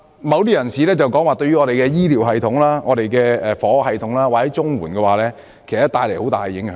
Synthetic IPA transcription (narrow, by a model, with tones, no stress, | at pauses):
mɐ˨˧wt̪̬iː˥jɐ˨˩nsiː˨lɛː˥t͡sɐ˨wkɔː˨˥ŋwaː˨˩t̪ɵ˧ɥy˥ŋɔː˨˧ɾe˨jkɛː˧jiː˥liː˨˩wɦɐ˨jt̪ʰʊ˨˥ŋlaː˥ŋɔː˨˧ɾe˨jkɛː˧ɛː˨fɔː˨˥hɐ˨jt̪ʰʊ˨˥ŋlaː˥waː˨˩hɐ˨˥jt͡sʊ˥ŋwuː˨˩nkɛː˧waː˨˩lɛː˥ | kʰe˨˩st̪aː˧jle˨˩jho˨˥wt̪aː˨˩jjɪ˨˥ŋh